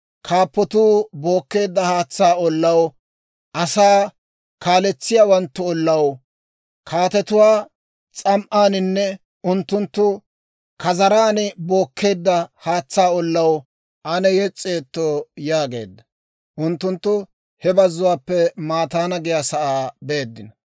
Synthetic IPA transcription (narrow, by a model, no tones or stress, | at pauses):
kʰaːpːɔt̪uːbo̞ːkːe̞ːd̪ːɐhaːt͡sːaːɔlːɐw | ʔɐsaː | kaːlɛt͡sːɪjaːwɐnt̪ːʊɔlːɐw | kʰaːt̪ɛt̪ʊwaː | t͡sʼɐmʔaːnɪnːɛ | ʊnt̪ːʊnt̪ːʊ | kɐzɐɾaːnɪbo̞ːkːe̞ːd̪ːɐhaːt͡sːaːɔlːɐw | ʔɐnɛjɛt͡sʼːe̞ːt̪ːoːjaːɡe̞̰ːd̪ːɐ | ʔʊnt̪ːʊnt̪ːʊ | hɛbɐzːʊwaːpːɛmaːt̪aːnɐɡɪjasɐʔaːbeːd̪ːɪnɐ